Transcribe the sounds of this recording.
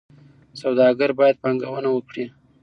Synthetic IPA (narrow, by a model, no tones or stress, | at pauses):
sawd̪ɑɡəɾbɑjad̪̚pɑŋɡawənawəkɽi